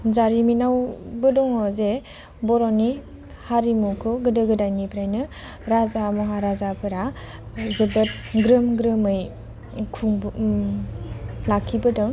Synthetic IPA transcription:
zaɾiminawbɯdɔŋɔze | bɔɾɔni | haɾimukʰɯɡɯdɯɡɯdajnipʰɾajnɯ | ɾazamɯɦaɾazapʰɯɾazɯbɯt̚ | ɡɾɯmɡɾɯmɯj | kʰuŋ | lakʰːibɯdɔŋ

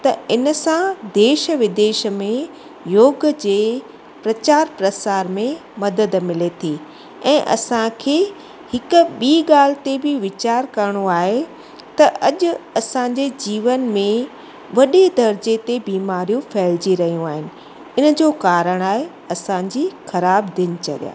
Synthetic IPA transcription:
t̪ɐɪnəsãd̪eːʃəʋɪd̪eːʃmẽ | joːɡd͡ʑeː | pɾɐt͡ɕaːɾpɾɐsaːɾmẽmɐd̪əd̪mɪlet̪ʰiː | ɛ̃ːʔɐ̰sãkʰeː | hɪkʊ̆ɓiːɠaːl̤ɪt̪ebɪʋɪt͡ɕaːɾkɐɾəɽ̃oaːɦe | t̪ɐʔɐʄʊ̆ɐsãɲd͡ʑed͡ʑiːʋənmẽ | ʋɐɗed̪ʱɐɾd͡ʑet̪ebiːmaːɾijũfɐːɪld͡ʑiɾɐɦijũaːɦɪnɪ̆ | ɪnə̆d͡ʑoːkaːɾəɽ̃aːɦe | ɐsãd͡ʑiːxɐɾaːbd̪ɪn̆t͡ɕɐ̰ɠija̰ː

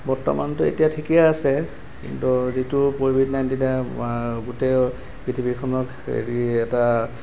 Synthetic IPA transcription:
bɔtɔ̰mantʊḛtijatʰikijaːsɛ | kḭntuzitupobʱidnajntinaɡute | pitʰibikʰɔnɔk | ḛɹiɛta

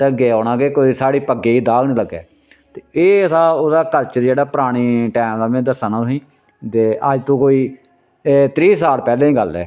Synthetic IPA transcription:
t̪aːɡeːoːɽ̃ãːkeːkoːiːsaːɽiːpəɡeːiːd̪aːɡnĩːləɡːɛ̰ː | t̪eːeːsãːod̪aːkəɾt͡ʃd͡ʒeːɽaːpəɾaːɽ̃iːʈɛːmd̪aːmɛ̃ːd̪əsaːnaːsĩː | t̪eːʔəd͡ʒt̪õːkoːiː | t̪ɾiːsaːɽpɛːlẽːĩːɡəlɛ̰ː

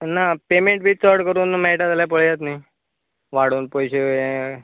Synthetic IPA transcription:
napemeɳʈ̚bʱiːt͡səɾɽkəɾuːnmɛiʈat̪aljap̬əɭjat̪nai | ʋaɽuːnpɔjɕe

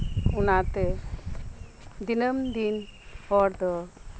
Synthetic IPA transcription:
unat̪ɛ | d̪inəmd̪inhɔɾd̪ɔ

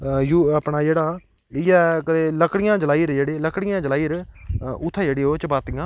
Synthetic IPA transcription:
juːaːpɳaːd͡ʒeːɽaːɪjɛːkət̪eːləkɽɪjãːd͡ʒəlaːiːɾd͡ʒeːɽeːləkɽɪjãːd͡ʒəlaːiːɾʊt̪ʰːd͡ʒeːɽeːɦoːt͡ʃəbaːt̪ɪjãː

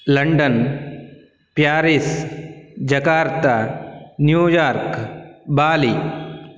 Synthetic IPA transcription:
lɐɳɖən | pjaːɾis | d͡ʒɐkaːɾt̪anjuːjaːɾkbaːli

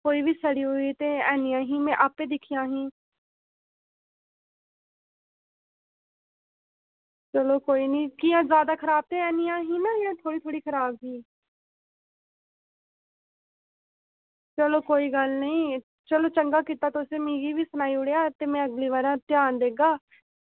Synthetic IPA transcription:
koːiːʋiːsəɽiːɦoiːt̪eːɛːnĩjãːɦĩːmɛ̃ːʔaːpeːd̪ɪkʰijãːɦĩː | t͡ʃəloːkoːiːnĩːkɪjãːzjaːd̪aːkʰəɾaːb̚t̪eːɛːniːãːɦĩːnãːjãːt̪ʰoːɽiːt̪ʰoːɽiːkʰəɾaːbɦiː | t͡ʃəloːkoːiːɡəlnəĩː | t͡ʃəloːt͡ʃəŋɡaːkiːt̪aːt̪ːʊsẽːmĩːɡiːʋiːsənaːiːʊɽejaːt̪eːmɛ̃ːəɡliːʋaːɾãːt̪ɪjaːnd̪eːɡaː

